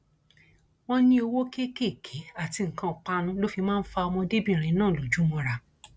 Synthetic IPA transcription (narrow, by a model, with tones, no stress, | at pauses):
w̃ɔ̃˦nĩ˦o˧wo˦ke˦ke˦˨kʰe˨˦a˦˨ti˧ŋ̩˨kã˧˦˨k͡pa˦nũ˦lo˦fi˧mãː˦n̩˦fa˧ɔ˧mɔ̃˧de˦bĩ˦˨ɾ̃ĩ˨˧nãː˦˨lo˨d͡ʒu˨˦mɔ̃˧ɾa˧